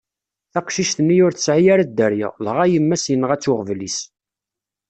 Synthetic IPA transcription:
θæqʃiʃθənːijʊɾθə̥sʕijaɾad̪ːəɾjɪ̰ʁlʁæjəmːæsjənəʁæt͡sːʊʁvlis

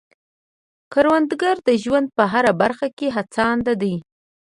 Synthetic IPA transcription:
kaɾwand̪ɡaɾd̪əʒwand̪̚pəɦaɾabaɾxakeɦat͡sɑnd̪ad̪əj

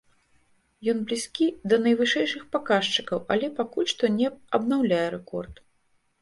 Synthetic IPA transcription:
jɔnblʲisʲkʲid̪ɐnɐjvɨʂɛjʂɨxpakaʂt͡ʂɨ̥kɐwɐlʲɛpakulʲʂt̪ɔnʲɛɐbnawlʲajɛɾɛkɔ̰rt̪

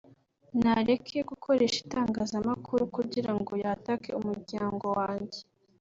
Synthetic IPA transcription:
naɾe̞kʰeeɡukʰo̞ɾe̞ːʃi̥taːŋɡazamakʰuɾukuɟiɾaŋɡo̞jatakḛumuɾɟaːŋɡo̞waːɲɟe

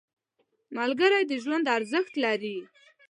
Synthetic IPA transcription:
malɡəɾajd̪əʒwand̪aɾzəxt̪laɾi

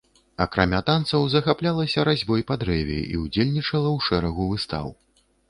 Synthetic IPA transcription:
ɐkɾamʲat̪ant̪sɐwzɐxaplʲalˠɐsʲɐɾazʲbɔjpɐd̪ɾɛvʲḭʔḭwd͡zʲelʲnʲit͡ʂɐlˠɐwʂɛɾɐɣuvɨst̪a̰w

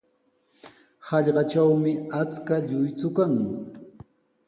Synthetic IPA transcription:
hɑʎɢɑt͡ʃawmɪat͡skaʎʊjt͡sʊkaŋ

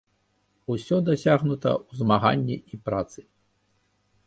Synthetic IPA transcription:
usʲɔd̪asʲaɣnut̪ɐ̰uzmaɣa̰nʲːiipɾat̪sɨ

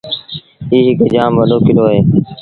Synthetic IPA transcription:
iːɦɪkd͡ʒaːmʋəloːkɪloːɦeː

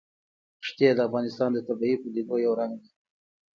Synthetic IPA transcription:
ʂt̪jed̪əafɣɑnɪst̪ɑnd̪ət̪abiipud̪id̪ojawɾaŋɡd̪i

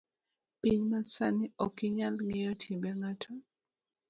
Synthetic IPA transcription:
piɲmasaniɔkiɲalŋejɔtʰibɛŋatʰɔ

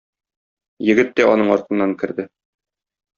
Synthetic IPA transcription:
jɘ̆ɡɘt̪ːæɒnɤɴɒɾt̪ɤ̆nːɑŋkɘ̆ɾd̪ɘ

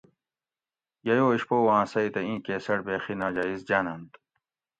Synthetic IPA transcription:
jɐjoːiɕpoːwãːsɐit̪ɐĩːkeːsɐɽbeːxinaːd͡ʑaːizd͡ʑaːnɐnt̪

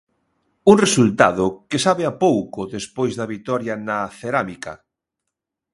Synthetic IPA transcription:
uŋresult̪aðʊkesaβeapowkʊðespojzðɐβit̪ɔɾjɐnɐθeɾamikɐ̰

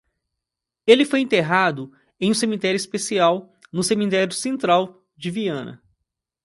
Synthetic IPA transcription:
elɪfojẽt̪eɦad̪ʊ | ẽj̃ũsemĩt̪ɛɾjʊispesiaw | nʊsemĩt̪ɛɾjʊsẽnt̪ɾaw | d͡ʒɪviɐ̃nɐ̰

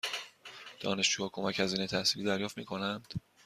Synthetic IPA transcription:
d̪̥ɒ̰ːne̞ʃd͡ʒuːhɒːkʰomæcæziːnet̪ʰæhsiːliːd̪æɾjɒːft̪miːkʰo̞nænd̪̥

